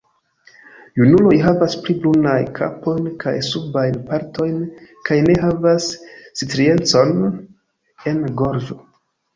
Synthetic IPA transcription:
junulo̞jɦavaspliblunajkʰa̰po̞jnkʰa̰jsubajnpaɾto̞jnkʰajne̞ɦavasːitɾie̞nt͡so̞n | e̞nɡo̞ɾd͡ʒo̞

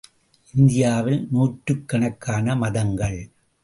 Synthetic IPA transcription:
ʔɪnd̪ɪjaːʋɪlnuːʈɾɯkːɐɳɐkːaːnɐmɐðɐŋɡɐɭ

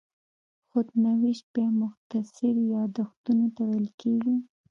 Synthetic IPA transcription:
xod̪nawiʃbemʊxt̪asɪɾjɑd̪axt̪unot̪awajlkeɡi

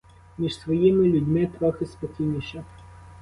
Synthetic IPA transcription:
mʲiʃsʋɔjimɪlʲʊdʲmɪt̪ɾɔxɪspɔkʲijnʲiʃɐ

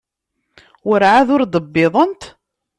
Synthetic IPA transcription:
wəɾʕaðʊɾd̪əbːɪðˤənt̪

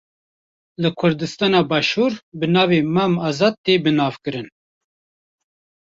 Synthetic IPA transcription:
lɨkʰʊɾd̪ɨst̪ɑːnɑːbɑːʃuːɾbɨnɑːveːmɛmɑːzɑːd̪̚t̪eːbɨnɑːvkɨɾɨn

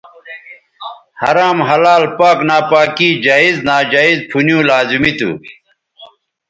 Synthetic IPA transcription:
hɐ̰ɾaːmɦɐlaːlpaːknaːpaːkid͡ʑaːiznaːd͡ʑaːizpʰunjũːlaːzimit̪ṵ

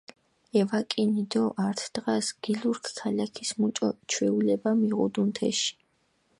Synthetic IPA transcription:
ɛvakʼinid̪ɔʔaɾt̪ʰd̪̥ʁasɡ̥iluɾkʰkʰalakʰismut͡ʃʼɔt͡ʃʰwɛulɛbamiʁṵd̪unt̪ʰɛ̰ʃi̥

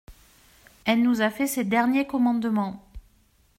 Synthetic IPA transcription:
ɛlnuzafɛsed̪ɛʁnjekɔmɑ̃d̪mɑ̃

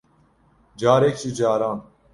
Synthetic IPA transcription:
d͡ʒaːɾeːk̚t͡ʃid͡ʑaːɾaːn

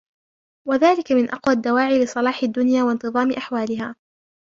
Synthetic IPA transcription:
waðaːlɪkamɪnʔɑqwad̪ːawaːʕiːlɨsˤɑlɑːħɪd̪ːʊnjaːwant̪ɨðˤɑːmɪʔaħwaːlɪɦaː

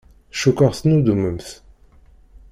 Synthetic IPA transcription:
ʃukəʁθnud̪uməmθ

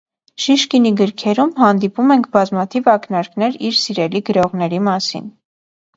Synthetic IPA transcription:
ʃiʃkiniɡəɾkʰɛɾumhɑnd̪ipumɛŋkʰbɑzmɑt̪ʰivɑknɑɾkn̪ɛɾiɾsiɾɛliɡəɾɔʁnɛɾimɑsḭn

